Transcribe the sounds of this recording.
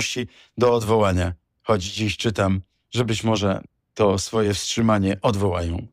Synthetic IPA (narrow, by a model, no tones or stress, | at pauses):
ɕt͡ɕi | d̪ɔːd̪vɔwaɲa | xɔd͡ʑd͡ʑiɕt͡ʂɘt̪am | ʐɛbɘt͡ɕmɔʐɛ | t̪ɔsfɔjɛfstʂɘmaɲɛʔɔd̪vɔwajɔ̃w̃